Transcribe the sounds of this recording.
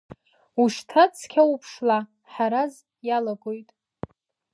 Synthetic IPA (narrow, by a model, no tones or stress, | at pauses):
uʃtʰat͡sʰkʲʰaupʰʂla | ħaɾaz | jalaɡʼojtʼ